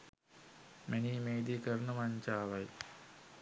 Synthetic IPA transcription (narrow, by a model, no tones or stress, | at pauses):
menimeːd̪ikɐrnɨmɐɲt͡ɕaːʋɐj